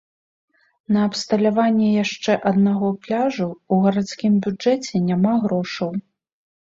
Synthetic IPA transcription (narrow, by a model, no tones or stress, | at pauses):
nɐːpst̪ɐlʲavanʲːɛjaʂt͡ʂɛʔɐd̪naɣɔplʲaʐuuɣɐɾat̪skʲimbʲud͡ʐɛt͡sʲɛnʲamaɣɾɔʂɐw